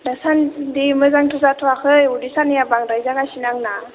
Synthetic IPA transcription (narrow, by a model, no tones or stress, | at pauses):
dasandimɯzaŋtʰɔzatʰuwakʰɯjudisanijabaŋɾajzanasinaŋna